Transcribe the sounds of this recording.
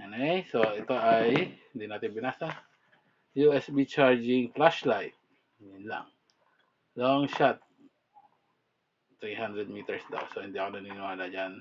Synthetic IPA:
anejsoit̪oajdinat̪ibinasa | juɛsbit͡ʃaɹd͡ʒɪŋplaʃlajt̪̚ | mila̰ŋ | lɔŋʃat̪̚ | ɾiɦandɾəd̚mit̪əɹsda̰wsoind̪iaknəninoadad͡ʒan

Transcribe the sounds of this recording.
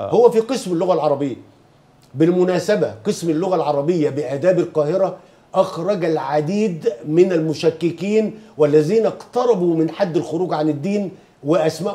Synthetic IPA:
howːæfiːqɨsmɪlːʊɣælʕɑɾˤɑbɪjːæ | bɪlmʊnæːsæbæqɨsmɪlːʊɣælʕɑɾˤɑbɪjːæbɪʔæːd̪æːbɪlqɑːhɪɾæ | ʔɑxɾˤɑɡælʕad̪iːd̪mɪnælmʊʃækːɪkiːnwælːæziːnæqt̪ɑɾˤɑbuːmɪnħad̪ːɪlxʊɾuːɡʕanɪd̪ːiːn | wɪʔæsmæːʔ

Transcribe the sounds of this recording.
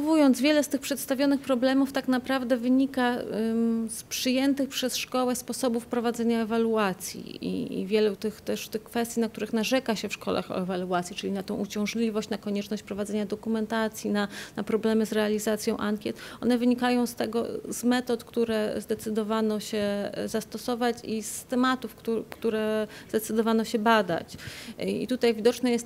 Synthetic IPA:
vujɔnt̪zvʲjɛlɛst̪ɘxpʂɛt̪st̪avʲjɔnɘxpɾɔblɛmuft̪aknapɾavd̪ɛvɘɲika | spʂɘjɛnt̪ɘxpʂɛsʂkɔwɛspɔsɔbufpɾɔvad̪zɛɲaɛvaluat̪sʲjḭḭḭvʲjɛlut̪ɘxt̪ɛʂt̪ɘxkfɛst̪ʲinak̚t̪uɾɘxnaʐɛkaɕɛfʂkɔla̰xɔ̰ɛvaluat̪sʲjit͡ʂɘlʲinat̪ɛ̃w̃ʔut͡ɕɔ̃w̃ʐlʲivɔɕt͡ɕnakɔɲɛt͡ʂnɔɕt͡ɕpɾɔvad̪zɛɲad̪ɔkumɛnt̪at̪sʲjinanapɾɔblɛmɘzɾɛalʲizat̪sʲjɔ̃w̃ʔaŋkʲjɛt̪ɔ̰nɛvɘɲikajɔ̃w̃st̪ɛɡɔ̰z̥mɛt̪ɔt̪kt̪uɾɛzd̪ɛt̪sɘd̪ɔvanɔɕɛzast̪ɔsɔvat͡ɕist̪ɛmat̪ufk̪ukt̪uɾɛzd̪ɛt̪sɘd̪ɔvanɔɕɛbad̪a̰t͡ɕḭt̪ut̪ajvʲid̪ɔt͡ʂnɛjɛst̪

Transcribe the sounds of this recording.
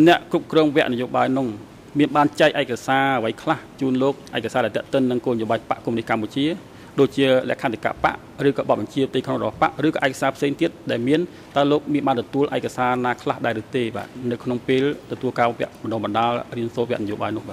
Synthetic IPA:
nɛ̆əʔkrup̚krɔːŋʋɛ̆əʔnɨjoːɓaːjnʊŋ | miənɓaːnt͡ɕaɛk̚ʔaɛkasaːəʋəjkʰlaht͡ɕuːnloːk̚ʔaɛkːasaːɗaɛlt̪ɛəʔt̪ɨnːɨŋkoːnəjoːɓaːjpa̰ʔkumənihkamput͡ɕiə | ɗoːc̚t͡ɕiəlɛ̆əʔkʰant̪ʰika̰ːʔpa̰ʔ | rɨːkɔːɓɑt̪̚ɓɑɲt͡ɕiət̪ɨjkʰnoŋrɔɓɑhpa̰ʔrɨːkɔːʔɛkḁsaːpʰseːŋt̪iət̪̚ɗaɛlmiən | t̪aəloːk̚miənɓaːnt̪ɔt̪uəlʔaɛkasaːnaːkʰlahɗaɛɾɨht̪eːɓa̰ːt̪̚nɨwkʰnoŋpeːlt̪ɔt̪uəlkaːʋɛ̆əʔmənɔːɓɑnɗaːlriənsoːt̪̚ʋɛ̆əʔnɨjoːɓa̰ːjnʊ̆əʔɓaːt̪̚

